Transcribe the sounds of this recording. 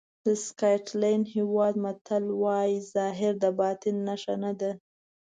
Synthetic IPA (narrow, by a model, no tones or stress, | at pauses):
d̪əskɑjʈlɑjnhiwɑd̪mat̪ʰalwɑjizɑɦɪɾd̪əbɑt̪ɪnːaʃanad̪a